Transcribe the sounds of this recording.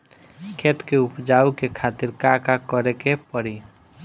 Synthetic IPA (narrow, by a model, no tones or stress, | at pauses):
kʰet̪keupd͡ʒaukekʰat̪iɾkakakəɾekepəɽi